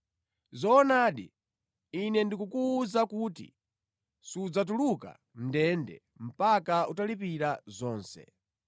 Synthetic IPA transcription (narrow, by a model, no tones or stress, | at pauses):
zɔːnaːɗḭ | inɛndikukuzakuːtḭ | sud͡zat̬uluka̰ | ndɛndɛ̰ | m̩pakautalip̬iɾazɔːnsɛ̰